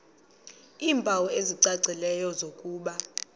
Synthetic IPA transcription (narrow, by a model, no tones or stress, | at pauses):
iːmpʼawɔeziǀaǀʱilɛjɔzokʼuːɓa